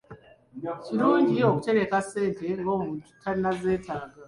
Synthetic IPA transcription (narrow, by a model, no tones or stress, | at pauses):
ciɾuːɲɟioku̥t͡ʃe̞ɾe̞kase̞ːnte̞ŋɡomuːntu̥kʰaninaze̞ːtʰaːɡa